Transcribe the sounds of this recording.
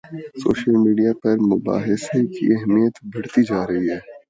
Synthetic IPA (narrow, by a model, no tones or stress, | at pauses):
so̰ːʃəlmiːɖijapɐɾmʊba̰ːɦɪsekḭɛɦmijət̪bɐɽ̤t̪id͡ʒaːɾɐɦiɦɛː